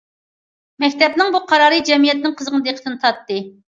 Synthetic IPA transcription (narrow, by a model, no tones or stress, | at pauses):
mɛkʲt̪ʰɛpnɪŋbuqʰɑɾɑːɾɨd͡ʒɛmijɛt̪̚nɪŋqʰəzʁənɨd̪eqʰə̥t̪ɨnɨt̪ʰɑt̪ːɨ